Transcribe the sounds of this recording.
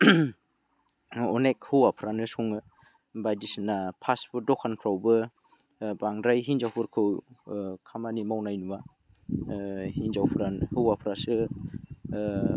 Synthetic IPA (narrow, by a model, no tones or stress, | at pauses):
ɔnek̚hɯwapʰɾanɯsuŋɯ | bajdisnapʰaspɯdɔkʰanpʰɾawbɯ | baŋdɾajɦinzawpʰɯɾkʰɯwkʰamanimawnajnuwa | hinzawpʰɾanhɯwapʰɾasɯ